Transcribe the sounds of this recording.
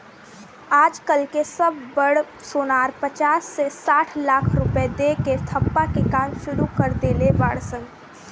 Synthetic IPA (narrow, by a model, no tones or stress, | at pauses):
aːd͡ʒkəlkesəbːəɽ | soːnaːɾpət͡ʃaːsːesaːʈʰlaːkʰɾʊped̪eket̪ʰəpːakekaːmʃʊɾukəɾd̪eːlebaːɽsən